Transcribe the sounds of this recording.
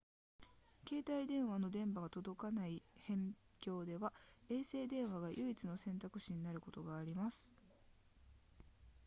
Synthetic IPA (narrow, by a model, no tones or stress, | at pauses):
ke̞ːt̪aid̪ẽ̞ɰ̃βano̞d̪ẽ̞mbaɡat̪o̞d̪o̞kanaihẽ̞ŋ | kʲo̞ːd̪e̞βae̞ːse̞ːd̪ẽ̞ɰ̃βaɡajʔɯ̟it͡sɨno̞sẽ̞nt̪akɯ̟ɕiɲ̟inaɾɯ̟ko̞t̪o̞ɡaːɾʲimasɨ̥